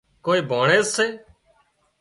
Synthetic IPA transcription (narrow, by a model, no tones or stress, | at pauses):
koːiːbʱaːɳeːzseː